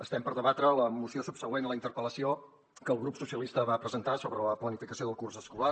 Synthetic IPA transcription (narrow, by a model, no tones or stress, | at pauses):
əst̪ɛmpəɾðəβat̪ɾələmusiosupsəɣwenələint̪əɾpələsio | kəːlˠɣɾupsusiəlist̪əβapɾəzənt̪asoβɾələplənifikəsioðəlˠkursəskula